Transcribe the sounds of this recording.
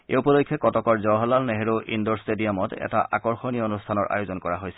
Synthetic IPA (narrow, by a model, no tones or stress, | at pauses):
ḛupɔlokʰːjɔkɔtɔkɔɹzɔɦɔlalneɦeɹoʔḭndɔɹstediamɔtɛ̰taʔakɔɹxoniɔonustʰanɔɹʔa̰jozɔnkɔɹaɦojsɛ